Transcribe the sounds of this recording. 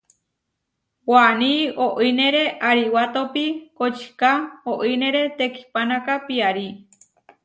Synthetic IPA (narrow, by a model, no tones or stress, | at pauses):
wanioʔinẽɾeʔaɾiwat̪opikot͡ʃi̥kaoʔinẽɾet̪eki̥panãkapiaɾi